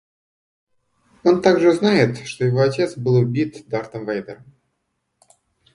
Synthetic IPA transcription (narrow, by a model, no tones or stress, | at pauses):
o̞nt̪aɡʐɨznajɪt̪ʂt̪o̞jɪvo̞ɐtʲe̞t̪sbɨlˠʊbʲit̪d̪art̪əmvajd̪ə̰ɾəm